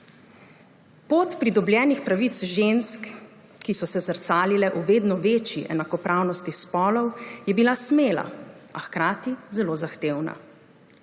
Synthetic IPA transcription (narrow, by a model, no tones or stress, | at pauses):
poːt̪pɾid̪ɔbljɛːnixpɾaʋit̪sʒensk | kːisɔsɛsəɾt̪saːlilɛʔuʋeːd̪nɔʋeːt͡ʃiʔɛ̰nakɔpɾaːwnɔst̪ispɔːlɔwjɛbilasmeːla̰axkɾaːt̪izɛlozaxt̪eːwna̰